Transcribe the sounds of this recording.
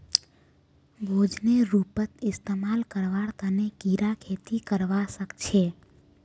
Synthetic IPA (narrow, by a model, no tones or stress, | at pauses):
bʱod͡ʒneɾupət̪ɪst̪emalkəɾʋaɽt̪ənekiɾakʰet̪ikəɾʋasəkt͡ʃʰe